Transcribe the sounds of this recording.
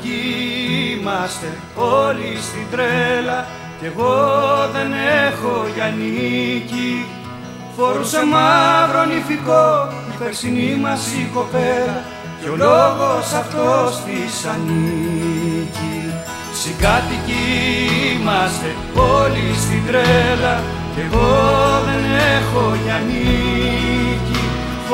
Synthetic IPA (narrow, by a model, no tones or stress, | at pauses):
i | mɐst̪e̞ | o̞list̪ind̪ɾelɐ | ce̞ɣoðe̞nexo̞ʝɐnici | fo̞ɾuse̞mɐvɾo̞nifikoipeɾksinimɐsiko̞peɾɐ | coloɣo̞sɐft̪ost̪isɐni | ci | sikɐt̪ici | mɐs | polist̪id̪ɾelɐ | eɣo̞ðe̞nexo̞ʝɐni | ci